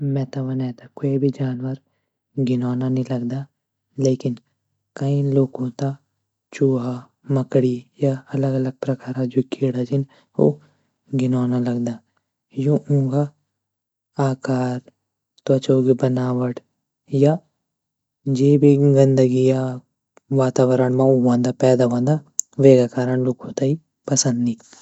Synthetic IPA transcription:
mɛ̃ːt̪aʋɐnɛ̃ːt̪akoːibʱid͡ʒaːnwəɾ | ɡɪnaːnanĩlɐɡd̪aː | leːkɪn | kɐĩloːkõt̪a | t͡ʃuːɦa | mɐkɽijaɐləɡɐləɡ̚pɾɐkaːɾad͡ʒokeːɽad͡ʒɪn | o̰ | ɡɪnaːnalɐɡd̪aː | jũũːɡa | aːkaːɾ | t̪oɐt͡ʃoɡibənaːʋəʈ | ja | d͡ʒeːbʱiɡənd̪əɡija | ʋaːt̪aːʋəɾəɳmãũːʋãːnd̪apɛːd̪aʋãːnd̪aʋeːɡakaːɾəɳloːkõt̪ai | pɐsə̃nd̪iː

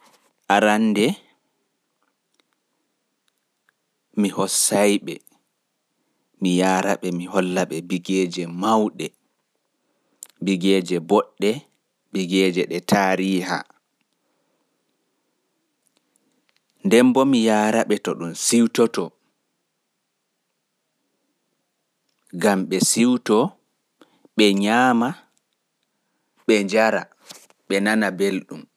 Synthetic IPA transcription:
ʔaɾandɛ | mihɔsajɓɛ̰ | mijaːɾaɓɛmihɔlːaɓɛbiɡɛːd͡ʒɛmawɗɛ | biɡɛːd͡ʒɛbɔɗːɛ | biɡɛːd͡ʒɛɗɛtʰaːɾiːha̰ | ndɛmbɔmijaːɾaɓɛtɔɗumsiwtɔtɔ | ɡamɓɛsiwtɔ | ɓɛɲaːma | ɓɛɲd͡ʒaɾa̰ | ɓɛnanabelɗum

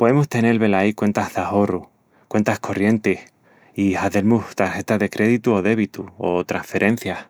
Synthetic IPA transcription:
po̞ðemust̪e̞ne̞lβe̞laikwe̞nt̪azðao̞ru | kwe̞nt̪ahkʰo̞rje̞nt̪eh | ihaðe̞ɾmuht̪aɾxe̞t̪aðe̞kɾʔe̞ðit̪uoðe̞β̞it̪uot̪ɾaŋfe̞ɾʔe̞n̟θjah

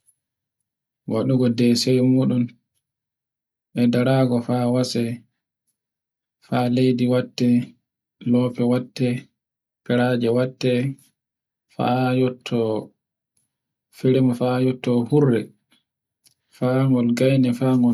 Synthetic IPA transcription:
wa̰ɗuɡɔdɛsɛjmuːɗum | ʔɛdaɾaːɡɔfawasɛ | falejdiwatːɛ | lɔːpɛwatːɛ | pɛɾaːd͡ʒɛwatːɛ | fa̰jɔtʰːɔ | fiɾimɔfajɔtːɔhurːɛ | faːŋɡɔlɡajnɛfaːŋɡɔ

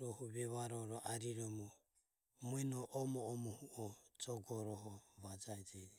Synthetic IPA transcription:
ɾɔhuβɛβaɾɔɾɔʔaɾiɾɔmɔ | muɛnɔʔɔmɔːmɔhuʔɔd͡ʒɔɡɔɾɔɦɔβad͡ʒaɛd͡ʒɛd͡ʒɛ

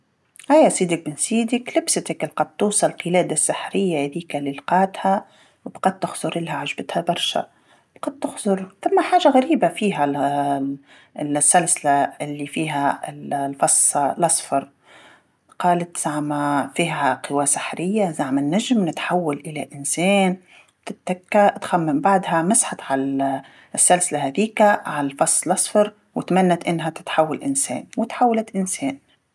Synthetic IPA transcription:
hajːasiːd̪ɪk̚bɪnsiːd̪ɪklɪbsɪt̪klqɑd̪̚t̪ːuːsˤɑlqɪlɛːd̪asːɪħɾɪjːahaðiːkalɪlqɑːt̪ha | wbqɑd̪̚t̪ːɪxzˤʊɾʔɪlhaʕaʒbɪt̪habɑɾˤʃa̰ | bqɑd̪̚t̪ːʊxzˤʊɾθamːaħaːʒaɣaɾiːbafiːɦa | lsːalsɪlaɪlːifiːɦaɪllfɑsˤːɑlʔɑsˤfɑɾˤ | qɑːlat̪z̥aʕmafiːaqɪwasḁħɾɪjːazaʕmanːaʒmnɪt̪ħawːalʔɪlaʔɪnseːn̚ | t̪ɪt̪ːakːat̪xamːambaʕd̪hamasħat̪ʕal | ɪsːalsɪlahaðiːkaʕalfɑsˤːlɑsˤfɑɾˤ | wɪt̪manːat̪ʔɪnːɦat̪ɪ̥t̪ħawːalʔɪnsḛːnwɪt̪ħawːalat̪ʔɪnseːn

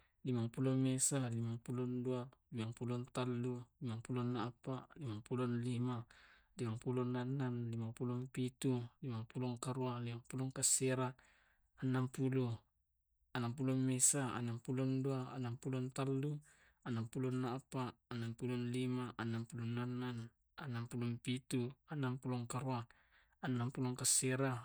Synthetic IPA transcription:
limaŋpulɔmesalimaŋpulɔndualimaŋpulɔnt̪alːulimaŋpulɔnːapaʔlimaŋpulɔnlima | limaŋpulɔnanːanlimapulɔŋpit̪ulimaŋpulɔŋkaɾualimaŋpulɔŋkaseɾa | anːampulu | anampulɔmmesaa̰naŋpulɔnduaa̰nampulɔnt̪alːu | anampulɔnːapaːnampulɔnlimaʔanːampulɔnːanːan | anampulɔmpit̪uanːampulɔŋkaɾuaː | nːampulɔŋkaseɾa

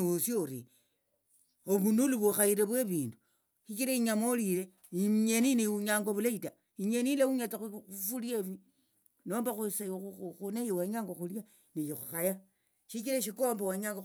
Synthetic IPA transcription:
usjouɾi | oβunuluβuxaiɾeβweβiːndu | ʃit͡ʃiɾeiɲamolile | iɲeniniuɲaːŋɡoβulaita | iɲenilewuɲat͡sauufuljeβi | noːmbaxusuxunejowaɲaːŋɡoxulja | nijixuxaja | ʃikiɾaʃikombawaɲaːŋɡo

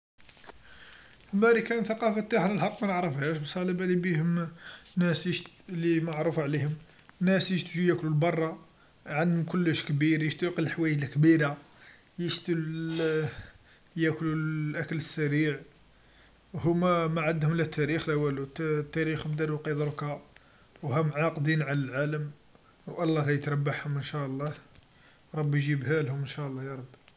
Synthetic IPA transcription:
həmːæɾikænθɑqɑfət̪ːaħləlħɑqːmænəʕɾəfhæʃbsˤɑləbælibihʊmnæsi | limaʕɾˤufʕlihʊm | nːæsəʃt̪ʒujæklulbɑrˤːɑ | ʕand̪hʊmkʊlːəʃkbiɾjəʃt̪ʊqəlħwæjəʒlkbiɾa | jəʃt̪əl | jækluʔækələsːæɾiʕ | hʊmæmæʕad̪hʊmlæt̪ʰːæɾixlæwælut̪ːt̪ːæɾixmd̪æɾwqid̪ˤɾˤkɑ | whæmʕɑqd̪inʕalælʕaləm | wʔɑlˤːɑlæjət̪ɾˤɑbːaħhʊmənʃæʔəlˤːɑh | ɾˤɑbːjʒibhælhʊmənʃæʔlˤːɑjɑɾˤɑbːi

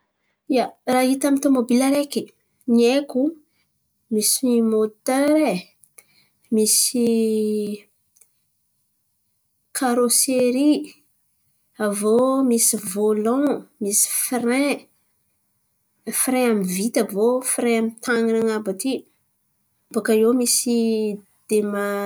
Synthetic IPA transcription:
iaraɦit̪amint̪omobilaɾeki | nieku | mismot̪øɾe | misi | kʰaɾoseɾi | avomisivolɔ̃misi̥frẽ | fiɾẽamivit̪avofiɾẽamit̪ʰaŋinaŋabat̪i | bakajewmisi | d̪̥ema

